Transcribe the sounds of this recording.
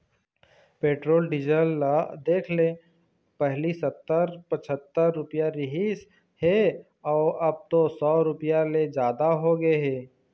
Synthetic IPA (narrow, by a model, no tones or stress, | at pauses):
peːʈɾoːlɖɪd͡ʒəlad̪eːkʰleː | pɛɦlisɐt̪ːəɾpət͡ʃʰət̪ːəɾːʊpjaɾɪɦis | he | ɔːɾɐb̚t̪osɔːɾʊpjaled͡ʒaːd̪aɦoɡeɦeː